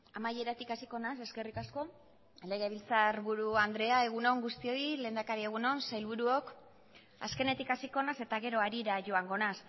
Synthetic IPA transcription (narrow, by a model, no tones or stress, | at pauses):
amaje̞ɾat̪ikasiko̞nase̞ske̞rikasko̞ | le̞ɣeβilt͡saɾβuɾuand̪ɾe̞ae̞ɣ̞uno̞ŋɡust̪io̞ile̞ːnd̪akaɾie̞ɣ̞uno̞nsajlβuɾuo̞k | a̰ske̞ne̞t̪ikasiko̞nase̞t̪aɣe̞ɾo̞aɾiɾaʝo̞aŋɡo̞nas